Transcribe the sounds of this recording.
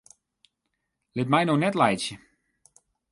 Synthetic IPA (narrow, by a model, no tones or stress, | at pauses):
lɪtmɛjnownɛtlɛjsjə